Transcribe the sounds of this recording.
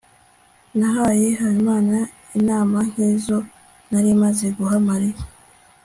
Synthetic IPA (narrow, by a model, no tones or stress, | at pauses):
naɦaje̞ɦaɾimaːna | inaːmaŋ̥hiːzo̞ | naɾimazeɡuɦamaɾeɾ